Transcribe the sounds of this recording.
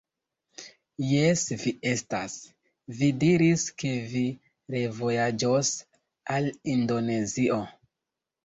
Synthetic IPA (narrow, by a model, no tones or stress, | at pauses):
jesvie̞stas | vidiɾiske̞vi | ɾe̞vo̞jad͡ʒos | alindo̞ne̞zio̞